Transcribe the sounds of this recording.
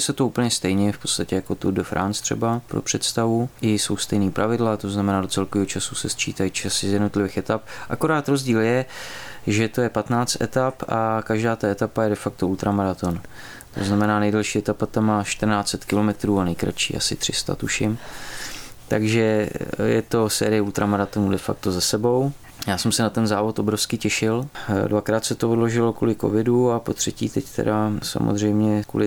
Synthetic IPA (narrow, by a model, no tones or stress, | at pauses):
sɛt̪oupl̩ɲɛst̪ɛjɲɛfpott͡st̪acɛjako̞t̪udəfɾʔa̰nst̪r̥ɛ̰bapɾo̰pr̥ɛt̪st̪avuʔɪso̞wst̪ɛjniːpɾavɪdlat̪o̞znamɛnaːdo̞t͡sɛlkoviːɦot͡ʃasusɛst͡ʃḭːt̪ajit͡ʃasɪzjɛdno̞t̪lɪvɪːxɛt̪ap̚ʔa̰ko̞ɾaːt̪ɾo̞zɟiːljɛ | ʒɛt̪o̞jɛpat̪naːt͡st̪ʔɛ̰t̪apakaʒdaːt̪aɛt̪apajɛdɛfak̚t̪o̞ult̪ɾamaɾat̪o̞n | t̪o̞znamɛnaːnɛjdɛlʃiːɛt̪apat̪amːaːʃt̪r̩naːt͡sɛt̪kɪlo̞mɛt̪ɾuːanɛjkɾa̰t͡ʃḭːʔa̰sɪ̰t̪r̥ɪst̪a̰t̪uʃɪm | t̪aɡʒɛjɛ̰t̪o̞sɛ̰ːɾɪjɛut̪ɾamaɾat̪onudɛfa̰k̚t̪o̞zasɛbo̞w | jaːsɛmsɛnat̪ɛnzaːvo̞t̪obɾofskɪcɛʃɪldvakɾaːt̪sɛt̪oodloʒɪlo̞kulɪkovɪduapot̪r̝̥ɛcḭːt̪ɛct̪ɛ̰dasa̰mo̰zr̝ɛjmɲɛkṵlɪ